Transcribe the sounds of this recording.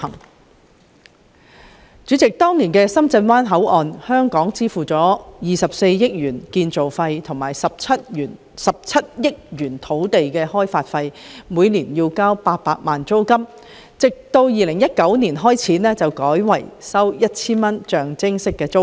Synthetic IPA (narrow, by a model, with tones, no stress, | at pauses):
hɐ˨˩ŋ | t͡ʃyː˨˥t͡sɪ˨k̚t̪ɔː˥ŋni˨˩nkɛː˧sɐ˥mt͡sɐ˧nwaː˥nɦɐ˨˥wʔɔː˨nhœː˥ŋkɔː˨˥ŋt͡siː˥fuː˨t͡sɔː˨˥jiː˨sɐ˨p̚se˧jːɪ˥k̚jyː˨˩nkiː˧nt͡so˨wfɐ˧jt̪ʰʊ˨˩ŋmaː˨˩jsɐ˨p̚ʰɐ˥t̚ːn | sɐ˨p̚t͡sʰɐ˥t̚jɪ˥k̚jyː˨˩nt̪ʰo˨˥wt̪e˨jkɛː˧hɔː˥jfaː˧t̚fɐ˧jmuː˨˧jniː˨˩njiː˧wkaː˥wpaː˧t̚paː˧t̚maː˨nt͡so˥wkɐ˥m | t͡sɪ˨k̚t̪o˧wjiː˨lɪ˨˩ŋjɐ˥t̚kɐ˨˥wniː˨˩nɦɔː˥jt͡sʰiː˨˥nɛː˥t͡sɐ˨wkɔː˨˥jwɐ̰˨˩jsɐ˥wjɐ˥t̚t͡sʰiː˥nmɐ˥nt͡ʃœː˨ŋt͡sɪ˥ŋsɪ˥kːɛː˧t͡so˥w